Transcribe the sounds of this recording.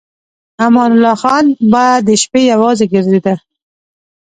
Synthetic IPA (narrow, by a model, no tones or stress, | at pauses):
amɑnʊlɑxɑnbɑjad̪ːəʃpejawɑzeɡəɾzed̪a